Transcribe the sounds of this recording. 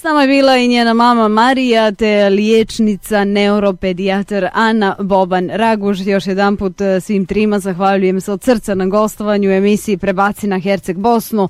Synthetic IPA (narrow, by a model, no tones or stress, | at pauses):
snaːmoje̞biːlˠaiɲjeːnamaːmamaɾijat̪eljet͡ʃnit̪saneuɾo̞ped̪iat̪eɾanabo̞banɾaɡuʒjo̞ʃjed̪anput̪sʋiːmt̪ɾiːmazaxʋaʎuje̞mseod̪sr̩t̪sanaɡo̞st̪oʋaɲue̞misijipɾebat̪sinaxeɾt̪seɡ̚bo̞snu